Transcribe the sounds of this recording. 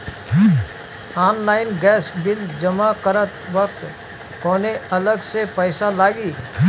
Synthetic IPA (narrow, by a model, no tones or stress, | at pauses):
ɔːnlaːɪnɡɛːsbɪld͡ʒɐmakəɾət̪ʋək̚t̪ | kɔːneɐləɡsepəɪsalaːɡiː